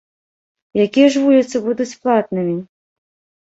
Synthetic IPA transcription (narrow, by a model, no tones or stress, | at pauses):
jakʲijɛʐvulʲit̪sɨbud̪ut͡sʲplˠat̪̚nɨmʲi